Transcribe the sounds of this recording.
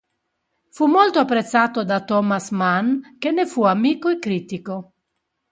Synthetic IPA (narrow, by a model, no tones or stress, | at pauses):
fumolt̪oapːɾet̪sːaːt̪od̪at̪ɔmasmankenːefuamiːkoɛkːɾiːt̪iko